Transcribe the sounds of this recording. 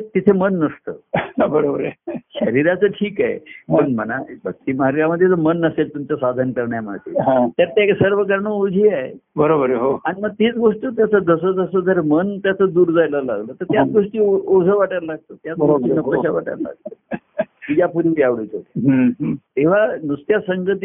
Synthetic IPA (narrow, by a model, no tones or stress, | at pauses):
t̪it̪ʰemənːəst̪ə̰ːbəɾobəɾəɕəɾiɾat͡səːʈʰiːkaɦḛpəɳmə̰nabʱək̚t̪iːməaɾjaməd̪ʱːjet͡səmənəselt̪umt͡sasad̪ʱənkəɾɳjamə̰d̪ḛɦãt̪jaɾt̪jaeksəɾʋ̤ək̬əɾɳəod͡zʱiːaɦḛbəɾobəɾəɦoaɽ̃iməɡ̚t̪it͡sɡoʂʈut̪jat͡səd̪əsəd͡zəsəd͡z̪əɾmənt̪jat͡səd̪uːɾd͡zajlala̰ɡlət̪əɾt̪jat͡sɡoʂʈiːod͡zʱəʋaʈəɾlaɡ̚t̪oːt̪jat͡sboɾʂʈinəpəɕaʋaʈə̰ɾla̰ɡ̚t̪o | id͡ʑapuɾjaʋɽit͡sot̪eɦt̪eʋ̤anust̪jasəŋɡət̪i